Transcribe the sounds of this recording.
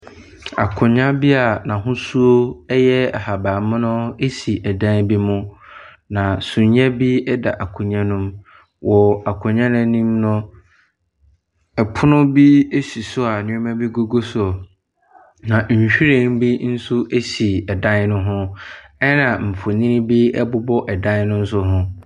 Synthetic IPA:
a̰˨kʰʊ̃˨ɲã˦bi˦a˨nã˨ɦʊ̃˦su˦o˦ɛ˦jɛ˦ɛ̰˨ha˨ba˨mʊ̃˦nʊ̃˦e˦si˨ʔɛ˨dã˦n˦bi˦mʊ̃˦ | nã˨sũ˨ɲã˦bi˦ɛ˦da̰˨ʔa˨kʰʊ̃˨ɲã˦nʊ̃˦m | wʔɔ˨a˨kʰʊ̃˨ɲã˦nã˦nĩ˦mnʊ̃˦ | ɛ˨pʰʊ˦nʊ̃˦bi˦e˦si˨sʊ˦a˨nʊ̃˦mã˦bi˦ɡo˦ɡo˦s | nã˨ɲ̩˨ɕᶣi˦ɾe˦˨˦m˦bi˦n̩˦su˦ʔe˦si˨ɛ˨dã˦nnʊ̃˦ɦʊ̃˦ɛ˦nã˨m̩˨fʊ˨nĩ˦ñ˦bi˦ɛ˦bʊ˦bɔ˦ʔɛ˨dã˦nnʊ̃˦n̩˦s̬ʊ˦ɦʊ̃˦

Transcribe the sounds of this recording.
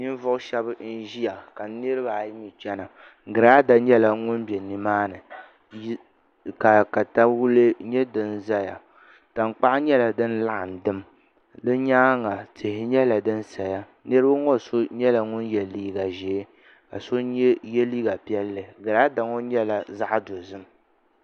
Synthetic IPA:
ɲi˦n˦vʊ˦ʔʊ˦ʃɛ˦bɨ˦n̩˦ʒi˦ja˨ka˨nɨ˦ɾɨ˦ba˨˦ɲi˨t͡ʃɛ˦na˨ | ɡɨ˨ɾaː˦da˦ɲɛ˦la˨ŋʊ˦nbɛ˨ni˨maː˦nɨ˨˦ | ka˨ka˨ta˦wu˦lɨ˦ɲɛ˦dɨ˨nza˦ja̰˨ | ta˨ŋ˨k͡pa˦ʔɲɛ˦la˨dɨ˦nla˦ʔa˨n˨dɨ˦m | dɨ˦ɲaː˦ŋa˨tɪ˨hɪ˦ɲɛ˦la˨dɨ˦n˦sa˨ja˦ | nɨ˦ɾɨ˦ba˦ŋɔ˦˨so˦ɲɛ˦la˨ŋʊ˦njɛ˨liː˦ɡa˨ʒɛ˨˦ | ka̰˨so˦ɲɛ˦jɛ˦liː˦ɡa˨pi˦ɛ˦lːɨ˨ɡɨ˨ɾaː˦da˨ŋɔ˦ɲɛ˦la˨za˦ʔdo˨zɨ˦m˦

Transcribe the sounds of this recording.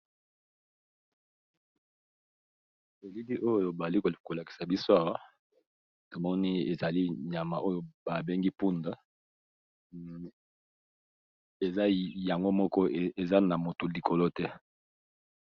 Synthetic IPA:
e˨li˦li˦ʔo˦jo˨ba˨a˨li˦ko˨ko˨la˨ki̥˨sa˨bi˦so˦a˨wa˦ | to˨mɔ˦ni˦e˨za˨li˦ɲa˨ma˨ʔo˦jo˦ba˨be˦ŋɡi˦pu˦nda˦˨ | e˨za˦ja˨ŋɡo˦mɔ˦kɔ˦e˨za˦na˨mo˨to˨li˨kʰo˨lo˦tɛ˦

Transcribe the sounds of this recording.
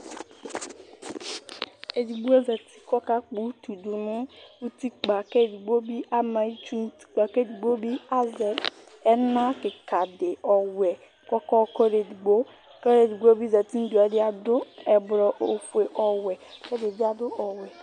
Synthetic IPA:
e˨di˨ɡ͡be˦zɛ˨ti̥˦kɔ˦ka˦k͡pu˨˦tu˨du˨nu˦u˦ti˦k͡pa˨ke˦˨di˨ɡ͡bo˦bi˦ʔa˦ma˨i˦t͡ʃu˦nu˦ti̥˦k͡pa˨ke˦di˨ɡ͡bo˦bi˦a˦zɛ˨ | ɛ˦na˦ke˨ka˨de˨ɔ˨wɛ˨ | kɔ˦kɔ˦kɔ˦ɾe˨di˨ɡ͡bo˦ | kɔ˦ɾe˨di˨ɡ͡bo˦bi˦zɛ˨ti˦n̩˦du˨ɛ˨di˦a˨dʊ˦ɛ˨bɾɔ˨ʔo˨fe˨ʔɔ˨wɛ˨kɛ˦de˨di˦a˨dʊ˦ɔ˨wɛ˨

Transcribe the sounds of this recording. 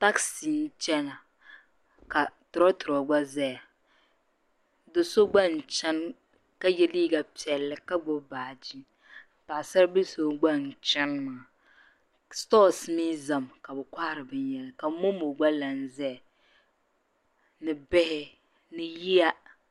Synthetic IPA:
ta˦ksi˨n̩˦t͡ʃɛ˦na˨ | ka˨tʊ˨ɾɔ˦tʊ˨ɾɔ˨ɡ͡ba˦zɛ˦ja˨ | do˨so˦ɡ͡ba˦n̩˨t͡ʃɛ˦n | ka˦jɛ˦liː˦ɡa˨pi˨ɛ˨lːɨ˨ka˦ɡ͡bʊ˦baː˨d͡ʒi˦˨ | pa˨sa˦ɾbi˦so˦ɡ͡ba˦n̩˨t͡ʃɛ˦nmaː˨ | stɔː˦˨smi˦za˨mka˨bɛ˨kʷa˦˨ɾɨ˨bɨ˦n˦jɛ˨lɨ˨ka˨˦mo˦mo˨ɡ͡ba˦la˨n˦zɛ˦ja˨ | nɨ˨bɛ˦hɪ˦ | nɨ˨ji˦a˦

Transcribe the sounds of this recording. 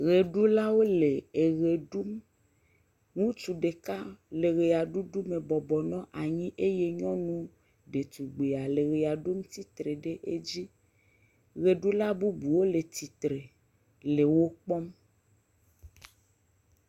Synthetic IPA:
ɣe˨ɖu˦la˦wo˦le˨e˨ɣe˨ɖu˦m | ŋũ˦t͡ʃu˨ɖe˨ka˦le˨ɣe˨a˨ɖu˦ɖu˦me˨bɔ˨bɔ˨nɔ̃˦ʔa˨ɲĩ˦ʔe˦je˦ɲɔ̃˦nũ˦ | ɖe˨t̪u˨ɡ͡be˨a˨le˨ɣe˨a˨ɖu˦m˦t̪i˦t̪ɾe˨ɖe˦ʔe˦d͡ʑi˦ | ɣe˨ɖu˦la˦bu˦bu˨wo˦le˨t̪i˨t̪ɾe˨ | le˨wo˦k͡pɔ˦m

